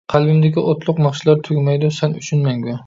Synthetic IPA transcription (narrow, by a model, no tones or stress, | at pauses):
qʰɑlˠbɪmd̪ɪɡʲɪʔɒt̪ʰlˠʊqnɑχʃɪlˠaɾt̪ʰʊɡʲmajd̪ʊsanʊt͡ʃʰʊnmaŋɡʲʊ